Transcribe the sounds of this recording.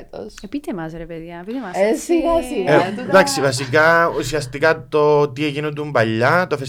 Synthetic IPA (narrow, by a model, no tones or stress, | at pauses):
t̪o̰sepit̪emas̬ɾeped̪iapit̪emasisied̪aksibas̬ik̬ausiast̪ikat̪ːot̪iekinut̪̬umbaʎːat̪ofes